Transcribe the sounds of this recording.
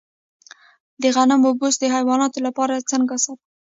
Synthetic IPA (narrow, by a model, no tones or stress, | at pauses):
d̪əɣanamʊbusd̪əɦajwɑnɑt̪olapɑɾat͡səŋɡasat̪